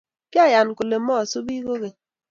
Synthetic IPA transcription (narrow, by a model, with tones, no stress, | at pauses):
kɪ˦a˦˨ja˨n˨ku˨le˨˦mɔ˦˨su˦bi˦ko˦ɣe˨